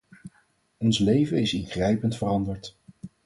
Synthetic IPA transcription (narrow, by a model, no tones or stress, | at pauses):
ɔnslejvəɪsɪnχrɛjpəntfərɑndəɹt